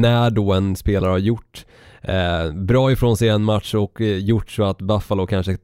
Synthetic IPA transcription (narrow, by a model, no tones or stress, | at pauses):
næɖɔɛnspeːlaɾəhaɾjʊʈː | bɾɑːɪfɾoːnsɛjɛnmat̪ʂɔkjʊʈːsɔat̪bafːalʊkʰanʂə